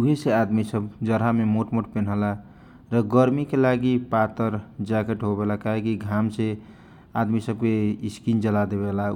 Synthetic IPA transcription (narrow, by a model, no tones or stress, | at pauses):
uɦesead̪misəbd͡ʒəɾɦamemoʈmoʈpenɦəla | ɾəɡəɾmikelaɡipat̪əɾd͡ʒakeʈɦobelakaɦekiɡʱamse | ad̪misəb̚keiskind͡ʒəlad̪ebela